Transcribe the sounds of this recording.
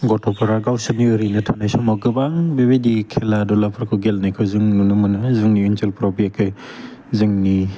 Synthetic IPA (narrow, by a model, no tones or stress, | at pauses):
ɡɔtʰɔpʰaɾaɡawsɯniɯɾinɯtʰanajsɔmaɡɯbaŋbebedikʰeladɔlapʰɾkʰɯɡelnakʰɯzɯŋnunɯmɯnɯzɯŋniunt͡ʃelpɾabiekʰɯ | zɯŋni